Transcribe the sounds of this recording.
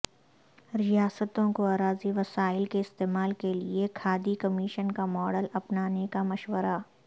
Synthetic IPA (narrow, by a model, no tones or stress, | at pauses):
ɾɪjaːsət̪õkoaːɾaːziʋɐsaːɪlkeɪst̪eːmaːlkeliekʰaːd̪ikɐmiːʃənkamɔːɽəlɐpnaːnekamɐʃʋəɾa